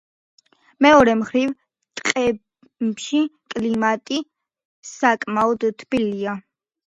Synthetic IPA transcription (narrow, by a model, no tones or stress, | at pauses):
mɛɔɾɛmχɾiv | t̪ʼqʼɛ | ʃikʼlimat̪ʼi | sakʼmaɔd̪t̪ʰːbilia